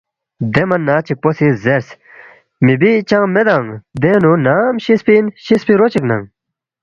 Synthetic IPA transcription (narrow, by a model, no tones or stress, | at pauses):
d̪emɐnːaːt͡ɕʰik̚posizeɾs | mibit͡ɕãmed̪aŋd̪enunaːmɕispinɕispiɾot͡ɕikna̰ŋ